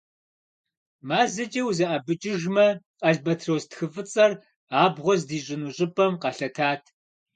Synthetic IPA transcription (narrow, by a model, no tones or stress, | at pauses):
maːzɐt͡ʃʼɐwzɐʔɐbɨt͡ʃʼɪʒmɐqɐɮbɐtʰrowztxɨfʼɨt͡sʼɐr | aːbʁʷɔzdiːɕʼɪnuɕʼɪpʼɐmqɑɬɐtʰaːtʰ